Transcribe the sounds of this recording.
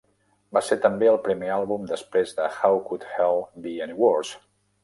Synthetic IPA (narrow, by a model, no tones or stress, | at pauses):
baseɾt̪əmbeəlˠpɾimealˠβumd̪əspɾezðəxawkut̪hɛlˠbiɛniwɔɾs